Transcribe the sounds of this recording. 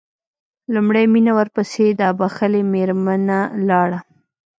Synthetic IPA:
lumɽajminawəɾpəsed̪əabaxəlemeɾmanalɑɽa

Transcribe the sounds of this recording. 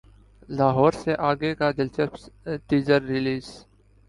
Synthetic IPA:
laːɦɔːɾseʔaːɡekad̪ɪlt͡ʃəpʈiːzəɾːɪliːz

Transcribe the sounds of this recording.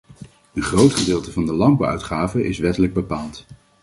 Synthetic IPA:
ənχrowtχədɪːlˠtəvɑndəlɑmbəœ̰ɥtχaːvəʔɪsʋɛtələɡ̚bəpaːlˠt

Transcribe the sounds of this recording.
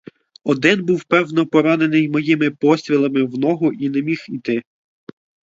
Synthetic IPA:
ɔd̪ɪnbuwpɛwnɔpɔɾɑnenɪjmɔjimɪpɔsʲt̪ʲɾʲilˠɐmɪwnɔɦʊʔinemʲixit̪ɪ

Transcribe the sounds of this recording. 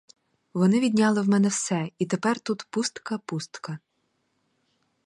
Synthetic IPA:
ʋɔnɪʋʲid̪ʲnʲɑlˠɪwmɛnɛwsɛit̪epɛrt̪ut̪pust̪kɐpust̪kɐ

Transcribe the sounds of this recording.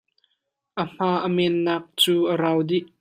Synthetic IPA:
ʔəm̥aːʔəmɛnːaːk̚t͡suːʔəɾaːwdiʔ

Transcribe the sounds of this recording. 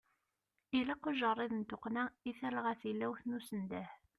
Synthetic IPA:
ilæqoʒərˤːiðənt̪oqnæiθælʁæθilːæwθnusənd̪æh

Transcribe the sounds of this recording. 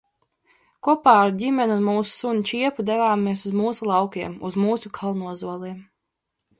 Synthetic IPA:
kuɔpaːɾudʲimʲɛnunmuːsu̥sunʲt͡ʃiɛpud̪ɛvaːmiɛsuzmuːsulˠɑwkiɛmuzmuːsukʰalˠnuɔzuɔlˠiɛm

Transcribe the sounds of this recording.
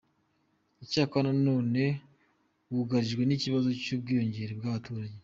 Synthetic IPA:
icaːkoanano̞ːne̞ | uɡaɾiʒɡwe̞niciβazo̞cuːb̚ɡijo̞ɲɟe̞ɾeb̚ɡaβatuːɾaɟe

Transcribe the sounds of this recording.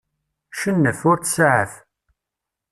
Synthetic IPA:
ʃənːəθʊɾt͡ssʕə̰θ

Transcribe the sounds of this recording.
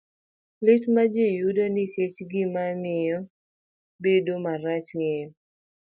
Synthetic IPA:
lɪtmad͡ʒejudɔnɪket͡ʃɡɪmamɪjɔ | bedomaɾat͡ʃŋe

